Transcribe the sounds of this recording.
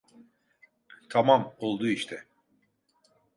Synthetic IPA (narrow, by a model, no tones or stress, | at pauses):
t̪ʰamamo̞lˠd̪uːiʃt̪ʰɛ